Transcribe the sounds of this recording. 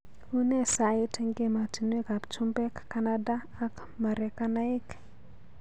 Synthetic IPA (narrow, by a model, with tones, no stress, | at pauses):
u˦ne˦sa˨i˦te˦ŋɡe˦ma˨ti˨nwe˦ka˨bt͡ʃu˦mbɛ˦kːa˦na˦daː˦˨k | ma˨ɾɛ˨ka˦na˦i˦k